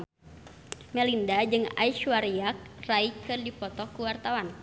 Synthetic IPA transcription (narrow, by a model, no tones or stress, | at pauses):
mɛlindad͡ʒɨŋa̰iʃuwaɾiak̚raikɨrdipɔt̪ɔkuwart̪awan